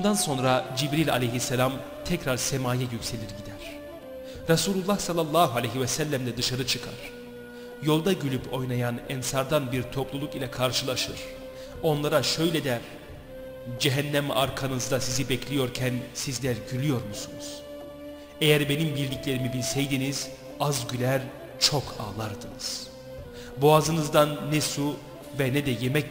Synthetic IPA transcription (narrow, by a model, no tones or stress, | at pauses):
bund̪anso̞nɾad͡ʒibɾilʲa̰lʲejɦisːelʲam | t̪ʰɛcɾaɾsɛmaːjɛjycse̞lʲiɾɟid̪æɾ̥ | ɾasuːlʲˠulˠːahsalˠːalˠːaːɦualʲeɦivɛsælʲːæmd̪ɛd̪ɯʃaɾɯt͡ʃʰɯkʰa̰ɾ̥ | jo̞lˠd̪aɟylʲypʰo̞jnajanɛnsaɾd̪anbiɾt̪ʰo̞plˠulˠukilʲɛkʰaɾʃɯlˠaʃɯɾ̥ | o̞nlˠaɾaʃø̞jlʲɛd̪ɛɾ | d͡ʒɛɦænːæma̰ɾkʰanɯzd̪asizibɛclʲijo̞ɾcʰænsizlʲæɾɟylʲyjo̞ɾmusunuz̥ | ejæɾbe̞nimbiɾʲlʲiclʲe̞ɾimibilʲsɛjd̪iniz̥ | azɟylʲæɾ | t͡ʃʰo̞kʰa̰ːlˠaɾd̪ɯnɯz̥ | buazɯnɯzd̪anːɛsu | vɛnɛd̪ɛjemɛ